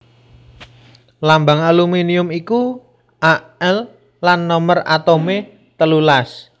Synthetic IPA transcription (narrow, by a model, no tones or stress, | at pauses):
lambaŋaluminiʊmiku | ʔa | ɛlː | anːɔməra̰t̪ome | t̪əlulas